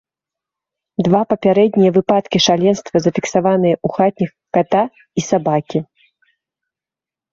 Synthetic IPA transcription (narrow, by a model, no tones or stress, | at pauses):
d̪vapɐpʲaɾɛd̪ʲnʲijɐvɨpat̪kʲiʂalʲɛnst̪vɐzɐfʲiksavanɨjɐʔuxat̪̚ʲnʲix | kat̪a | isabakʲi